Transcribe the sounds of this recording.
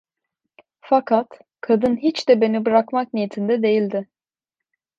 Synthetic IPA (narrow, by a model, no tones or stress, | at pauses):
fakʰat̪ | kʰad̪ɯnɦit͡ʃd̪ɛbe̞nibɯɾakmak̚nijit̪ʰind̪ɛd̪e̞jilʲd̪ɪ